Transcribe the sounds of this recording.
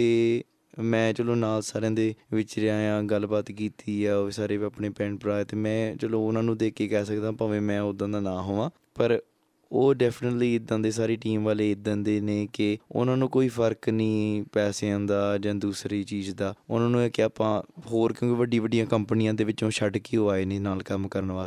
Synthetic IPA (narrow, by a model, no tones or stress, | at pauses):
t̪eː | mɛ̃ːt͡ʃəloːnaːlsaːɾeãːd̪eːʋɪt͡ʃɾɪaːjãːɡəlbaːt̪kiːt̪iːɛːsaːɾeːiaːpɳeːpɛ̃ːɳpɾaːt̪eːmɛ̃ːt͡ʃəlõːʊnãːnũːd̪eːkeːkɛːsəkd̪ãːpãːʋẽːmɛ̃ːʊd̪ːãːd̪aːnaːɦoːʋãː | pəɾ | oːɖɛːpʰnəʈliːɪd̪ːãːnd̪eːsaːɾeːʈiːmʋaːleːɪd̪ə̃nd̪eːneːkɪʊ̰nãːnũːkoːiːpʰəɾknĩːpɛːseːãːnd̪aːd͡ʒãːd̪uːsɾiːt͡ʃiːzd̪aːʊnãːnũːeːkɪaːpãːɦoːɾkjõːkiʋəɖiːʋəɖːijãːkəmpənɪjãːd̪eːʋɪt͡ʃõːʃəɖkiːoaːeːneːnaːlkəmkəɾənʋaː